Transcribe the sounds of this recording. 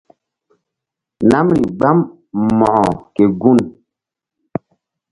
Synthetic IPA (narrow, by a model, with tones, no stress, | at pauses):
na˦mɾi˨ɡ͡ba˦m | mɔ˨ɔ˨kɛ˨ɡu˦˨n